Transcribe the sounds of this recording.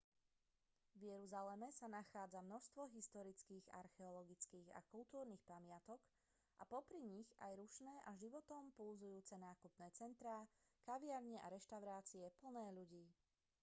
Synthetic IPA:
ʋjɛɾuzalɛmɛsanaxaːd͡zamnɔʃst̪ʋɔɦist̪ɔɾit͡skiːɣa̰ɾxɛɔlɔɡit͡skiːɣa̰kult̪uːɾniːxpamɪat̪ɔk | ʔapɔpɾiɲiɣa̰jɾuʃnɛːʔaʒiʋɔt̪ɔmpulzujuːt͡sɛnaːkupnɛːt͡sɛnt̪ɾaːkaʋɪaɾɲɛʔaɾɛʃt̪aʊɾaːt͡siɛpl̩nɛːʎuɟiː

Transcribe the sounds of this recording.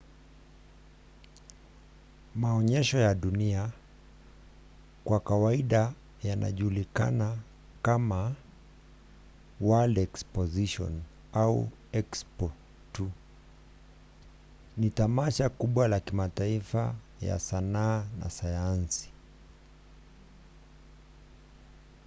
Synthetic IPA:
maɔɲɛʃɔjaɗunia | kwakawaiɗa | jana̰ʄulika̰na | kama | waldɛkspɔziʃɔ̰n | aṵ | ɛkspɔ | tu | nitamaʃakuɓwalakimataifa | ja̰sanaːna̰sajansi̥

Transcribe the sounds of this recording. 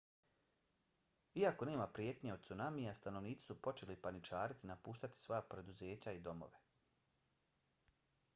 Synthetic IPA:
iako̞ne̞ːmapɾje̞ːt̪ɲeo̞d̪̚tsunamiast̪anoʋniːt̪si̥supo̞t͡ʃe̞lipanit͡ʃaːɾit̪inapuːʃt̪at̪i̥sʋo̞japɾe̞d̪uze̞ːt͡ɕaid̪o̞mo̞̰ʋe̞

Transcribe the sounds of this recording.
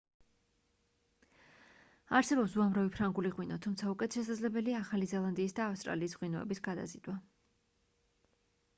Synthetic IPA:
aɾsɛbɔpsuamɾavipʰɾaŋɡuliʁwinɔt̪ʰumt̪sʰaukʼwɛt̪ʃɛs̬ad̪zlɛbɛliaːχalizɛlˠand̪iːsd̪aːfst̪ʼɾa̰liːsʁwinɔɛ̰bisɡad̪a̰zid̪wa

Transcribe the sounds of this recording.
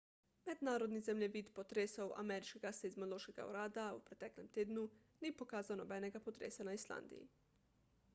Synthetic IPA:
mɛd̪naːɾod̪nizɛmlʲɛʋiːt̪pot̪ɾeːsowʔa̰mɛɾit͡ʃkeɡasezmoloːʃkeɡa̰ṵɾaːd̪aupɾɛt̪ɛːklɛmt̪eːd̪nu | niːpokaːzawnobɛːnɛɡapot̪ɾḛːsanaisla̰ːnd̪ḭjḭ

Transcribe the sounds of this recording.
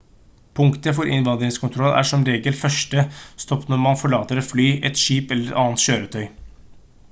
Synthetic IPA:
pʰʊŋkt̪əfɔɾʔɪ̰nʋɑnd̪ɾɪŋskʰʊnt̪ʰɾɔlːæ̰ʂɔmɾeːɡəlfœʂʈəst̪ɔpnɔɾmɑnfɔɭɑːt̪əɾɛt̪flyːʔɛt̪ʂiːpɛlːəɾɛɑːənt̪ɕøːɾət̪ʰœʏ

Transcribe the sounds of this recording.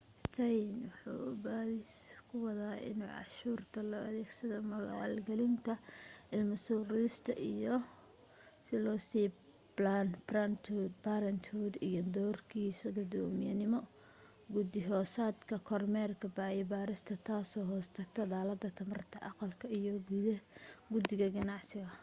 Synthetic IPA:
st̪ʰɛjnwɑħṵːʊbaːðɪskʰʊwɐðaːɪ̰nṵːʕɑ̰ʃuːrt̪ʰɐlɔːʔɐðɛːɡsɐðɔmɐɣ̰a̰lɡɛlɪnt̪ʰɐʔɪlmʊsuːɾɪðɪst̪ʰɐ̰ʔijɔ | sɪlɔːsiː | blanbrant̪ʰud̪baɾɐnt̪ʰuːd̪ijɔd̪ɔːrkʰiːsɐɡʊd̪ɔːmɪjɐnɪmɔ | ɡʊd̪ɪɦɔːsaːd̪kʰɐkʰɔrmɛrkʰɐbaːjɛbaːɾɪst̪ʰɐt̪ʰaːsɔːɦɔːst̪ʰɐɡ̚t̪ʰɐd̪aːlɐd̪ːɐt̪ʰɐmɐrt̪ʰɐʔɑqɑlkʰɐijɔɡuðɐɡʊd̪ɪɣɐɡɐnɑʕsɪɣɐ

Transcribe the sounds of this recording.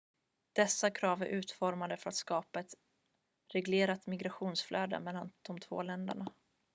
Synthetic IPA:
d̪̥ɛsːakʰɾɑːvæɾʔʉ̟ːt̪fɔɾmad̪əfœɾat̪skɑːpaɛt̪ | ɾɛɡleːɾat̪mɪɡɾaɧuːnsfløːd̪ə̰mɛlːand̪̥ɔmt̪ʰvo̰ːlɛnd̪ə̰ɳa

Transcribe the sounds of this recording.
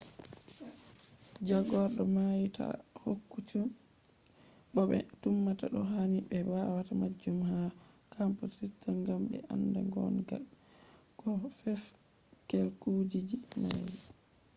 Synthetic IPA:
d͡ʒaɡɔɗɔmajitʰa̰hokːut͡ʃum | ɓɔɓɛ̰tumːataɗɔɦanibɛbawatamad͡ʒːumha | kampusistanɡambɛ̰ʔa̰ndaŋɡɔ̰nɡa̰lkɔfɛf | kelkud͡ʒid͡ʒina̰j

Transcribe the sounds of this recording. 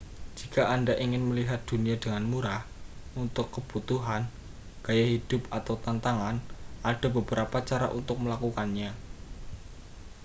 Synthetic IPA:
d͡ʒ̥ikaʔandaʔiŋɪnməliɦat̪̚d̪̥uniadəŋanmuɾah | unt̪ʊkːəb̥ut̪uɦan | ɡ̥ajaɦid̥ʊpat̪awt̪ant̪aŋanʔad̥a̤bəbəɾapat͡ʃaɾa̰ʔunt̪ʊk̚məlakukanɲa

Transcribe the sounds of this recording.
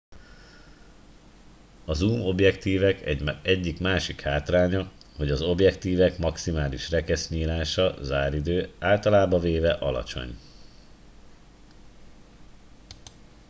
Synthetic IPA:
ɒzuːmo̞bjɛkt̪iːvɛkɛɟɛɟːikmaːʃikhaːt̪raːɲɒ | ho̞ɟɒzo̞bjɛkt̪iːvɛkmɒksimaːliʃrɛkɛsɲiːlaːʃɒzaːɾid̪øːaːlt̪ɒlaːbɒveːvɛʔɒlɒ̰t͡ʃo̞̰ɲ

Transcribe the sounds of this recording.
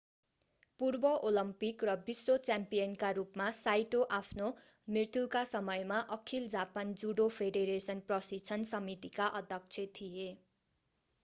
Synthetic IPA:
purbʌʔolʌmpikrʌbisːot͡sampijʌnkaɾupmasajʈoʔapʰno | mrirt̪jukasʌmʌjmaʔʌkʰild͡zapand͡zuɽopʰeɖeɾesʌnprʌsit͡sʰʌnsʌmit̪ikaʔʌd̪ʱjʌk̚t͡sʰet̪ʰije

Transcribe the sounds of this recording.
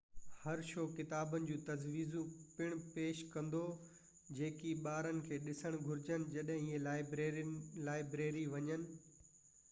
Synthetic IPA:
hɐɾʃoːkɪt̪aːbənɪ̆d͡ʑũːt̪ɐzʋiːzũpɪɽ̃peːʃkɐ̃nd̪o | d͡ʑeːkiɓaːɾənɪ̆kʰeːɗɪsəɽ̃ɡʱʊɾɪd͡ʑənɪ̆d͡ʑɐɗɦɪ̃ɪɦẽɪ | laːɪbɾeːɾiʋɐɲənɪ̆

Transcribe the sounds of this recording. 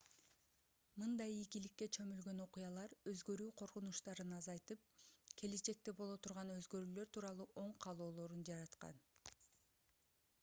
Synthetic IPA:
mɯnd̪ɑjikilikːe̞t͡ʃʰø̞mylɡø̞no̞qujɑlˠɑɾø̞zɡø̞ɾyːqʰo̞ɾqunuʃt̪ɑɾɯnɑzɑjt̪ɯp̚kʲʰe̞let͡ʃe̞k̚t̪e̞bo̞lˠo̞t̪ʰuɾʁɑnø̞zɡø̞ɾyːlø̞ɾt̪ʰuːɾɑlˠuːʔo̞ɴqʰɑlˠo̞ːlˠo̞ɾund͡ʒɑɾɑt̪qɑ̰n

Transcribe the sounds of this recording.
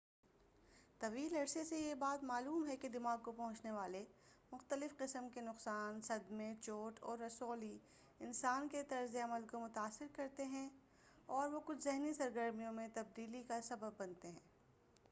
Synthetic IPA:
t̪ɐʋiːlɐɾsesejebaːt̪maːluːmɦɛked̪ɪmaːɡ̚kopɐɦʊ̃t͡ʃneʋaːlemʊxt̪əlɪfqɪsəmkenʊqsaːnsɐd̪mẽt͡ʃoːʈʰɔːɾːɐsoːli | ɪnsaːnket̪ɐɾzeɐməlkomʊt̪aːsːɪɾkɐɾt̪eɦɛ̃ | ɔːɾʋokʊt͡ʃʰzɪɦnisɐɾɡəɾmijõmẽt̪ɐb̚d̪iːlikasɐbəbːɐnt̪eɦɛ̰̃ː

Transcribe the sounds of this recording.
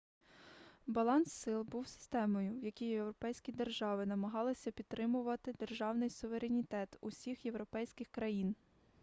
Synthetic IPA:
bɐlˠɑnsːɪlˠbuwsɪ̥st̪ɛmɔjʊwjɐkʲijjewɾɔpɛjsʲkʲid̪erʒɑʋɪnɐmɐɦɑlˠɪsʲɐpʲid̪̚t̪ːɾʔɪmʊʋɐt̪ɪd̪e̞rʒɑwnɪjsʊʋe̞ɾenʲit̪ɛt̪ʊsʲixjewɾɔpɛjsʲkɪxkɾɐjin

